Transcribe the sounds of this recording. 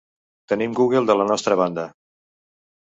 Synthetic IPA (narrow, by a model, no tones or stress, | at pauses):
t̪ənimɡuɣ̞əlˠd̪ələnɔst̪ɾəβ̞and̪ə